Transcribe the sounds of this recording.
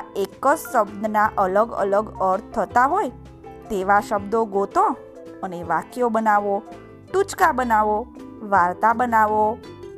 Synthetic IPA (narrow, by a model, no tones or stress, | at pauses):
ekəd͡ʒsəbd̪naʔələɡə̰ləɡəɾt̪̚ʰt̪ʰːət̪aɦoj | t̪eʋaʃəbd̪oɡot̪o | əneʋakjobənaʋo | ʈ̪ut͡ʃkabənaʋoʋaɾt̪abənaʋo